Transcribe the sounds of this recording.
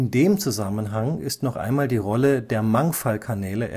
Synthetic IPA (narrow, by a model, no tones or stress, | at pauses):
ndeːmt͡suzamənɦaŋɪstnɔχʔa̰ɪnmaːldiːʁɔlədeːɐmaŋfalkʰanɛːləʔɛ̰